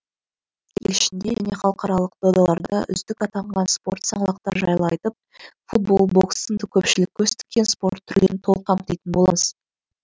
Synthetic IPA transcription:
jḛlɪʃɪnd̪e̞ʒæ̰ne̞χɑlˠəqɑɾɑlˠəq̚d̪̥od̪ɑlˠɑɾd̪ɑʔʏ̰zd̪ɪkɑt̪ɑɴʁɑnspo̞ɾt̪sɑɴlˠɑqt̪ɑɾʒɑjlˠɑjt̪əp̚ | fut̪̚bo̞lˠbo̞ksənd̪əkʲʰɵpʃɪlɪk̚ʲʰːɵst̪ɪ̥kʲːe̞nspo̞ɾt̪ʰːʏɾle̞nɪt̪ʰo̞lˠqʰːɑm̚t̪ejt̪ɪnbo̞lˠɑməz̥

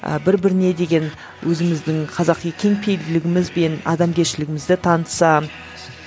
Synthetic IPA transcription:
ə̰bɪɾbɪɾɪne̞d̪e̞ɡʲe̞n | wʔɵzɪmɪzd̪ɪŋqʰɑzɑqekʲʰe̞ŋpʰe̞jld̪ɪlɪɡʲɪmɪzbe̞nɑ̰d̪ɑmkʲʰe̞ɾʃɪlɪɡʲɪmɪzd̪ɪt̪ʰɑnəsɑ

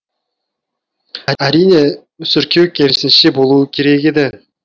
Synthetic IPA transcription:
aɾijne | sʏɾkʲʰewkʲe̞lsɪnʃɪbo̞lˠuːəkʲʰe̞ɾe̞ked̪e

